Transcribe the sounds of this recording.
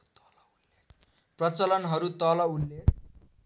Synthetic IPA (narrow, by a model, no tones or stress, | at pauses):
prʌt͡sʌlʌnɦʌɾut̪ʌlʌulːe